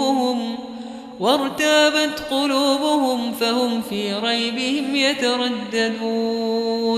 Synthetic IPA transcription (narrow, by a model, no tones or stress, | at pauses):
ʊhʊm | wɑɾˤt̪aːbat̪qʊluːbʊhʊmfahʊmfiːɾˤɑjbɪhɪmjat̪aɾˤɑd̪ːad̪uː